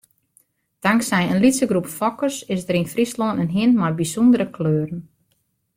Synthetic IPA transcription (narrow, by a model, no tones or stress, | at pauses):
d̥aŋksɛjənlisəɡrupfɔkərsɪsdəɾinfrisloːnənɦiənmajbisundəɾəkløːɾən